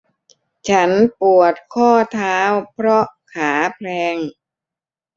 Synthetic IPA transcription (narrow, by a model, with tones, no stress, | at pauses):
t͡ɕʰa˦˥npu˨˩ət̪̚kʰɔː˥˩t̪ʰaː˦˥wpʰɾɔ˦˥kʰaː˩˦pʰlɛː˧ŋ